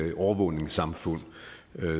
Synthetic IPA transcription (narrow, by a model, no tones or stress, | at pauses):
ʔɒʊɐʋɔːne̝ŋsɑ̈mfɔ̽n̰